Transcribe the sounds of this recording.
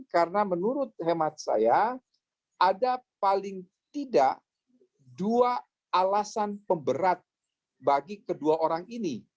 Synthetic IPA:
kaɾənamənuɾʊt̪̚hemat̪̚sa̰ja | ʔadapalɪŋ | t̪idaʔ | duaː | lasanpəmbəɾat̪̚ | baɡikəduaʔoɾaŋini

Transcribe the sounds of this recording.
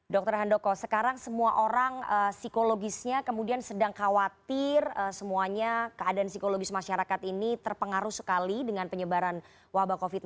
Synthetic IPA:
dɔk̚t̪ərɦandokosəkaɾaŋsəmuaʔoɾaŋəsikoloɡɪsɲakəmudiansədaŋkawat̪ɪrəsəmuaɲakəadaansikoloɡɪsmaʃaɾakat̪init̪ərpəŋaɾuhsə̥kalidəŋanpəɲəbaɾan | wahbakofɪt̪̚

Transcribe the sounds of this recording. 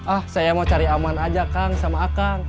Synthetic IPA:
ʔahsajamaut͡ʃaɾiamanad͡ʒakaŋsamaːkaŋ

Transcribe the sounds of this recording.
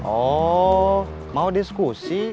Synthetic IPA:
ɔ | maudiskusi

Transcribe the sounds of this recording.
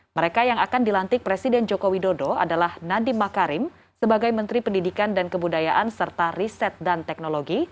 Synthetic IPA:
məɾekajaŋakandilant̪ɪk̚pɾesidɛnd͡ʒokowidodoa̰dalahnadɪmːakaɾɪm | səbaɡajmənt̪ɾipəndidikandankəbudajaʔansərt̪arisɛt̪̚dant̪ɛk̚noloɡi

